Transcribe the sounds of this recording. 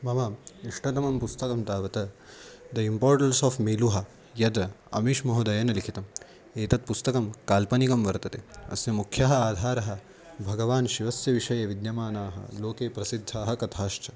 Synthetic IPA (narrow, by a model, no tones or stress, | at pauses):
mɐʋɐiʂʈʰɐt̪ɐmɐmpust̪ɐkɐmt̪aːʋɐt̪ɐd̪ɐimpoːɾʈɐlsɔːfmeːluɦɐ | jɐd̪ɐ̰miʂmɐɦud̪ɐjɐnɐlikʰit̪ɐm | eːt̪ɐt̪̚pust̪ɐkɐmkaːlpɐnikɐmʋɐɾt̪ɐt̪eɐ̰sjɐmukʰjɐɦɐaːd̪ʱaːɾɐɦɐ̆ | bʱɐɡɐʋaːnʃiʋɐsjɐʋiʃɐjɐʋid̪jɐmaːnaːɦɐ̰loːkeːpɾɐsid̪ʱːaːɦɐ̆kɐt̪ʰaːʃt͡ʃɐ